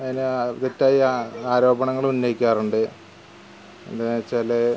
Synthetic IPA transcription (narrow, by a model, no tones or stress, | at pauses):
ɐðink̪etːaːjiaaːɾo̞ːbɐɳɐŋːɐɭunːojikʲːaːruɳɖɨ | ḛnd̪at͡ɕːaːle